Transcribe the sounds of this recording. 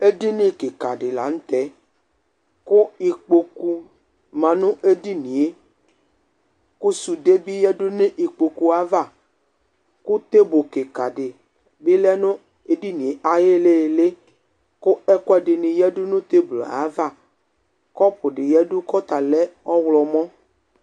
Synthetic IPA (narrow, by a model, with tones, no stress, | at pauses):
e˦di˦nĩ˦ke˨ka˨ɖɪ˨la̰˨˦ñ̩˦t̪ɛ˦ | kʊ˦i˨k͡po˨ku˦ | mã˨nʊ̃˦ʔe˦di˦nĩ˨e˦ | ku˦su˨de˦bi˦jɛ˦ɖʊ˦nẽ˦ʔi˨k͡po˨ku˨a˨˦va˦˨ | kʊ˦t̪e˦bo˨ke˨ka˨ɖɪ˨ | bɪ˦lɛ˦nʊ̃˦ | e˦di˦nĩ˨e˨ʔa˨je˦le˦˨le˦ | kʊ˦ɛ˦kɔ˦ɛ˦ɖɪ˨nɪ̃˨jɛ˦ɖʊ˦nʊ̃˦t̪e˦blɔ̰˨a̰˨˦va˦˨ | kɔ˦pʊ˨ɖɪ˨jɛ˦dʊ˦kɔ˦t̪a˨lɛ˦ɔ˦wlɔ˨mɔ̃˦